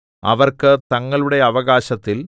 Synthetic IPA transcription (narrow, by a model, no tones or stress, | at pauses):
ɐ̰ʋɐrkɨt̪ɐŋːɐɭuɽe̞ɐʋɐɣaːɕɐt̪ːil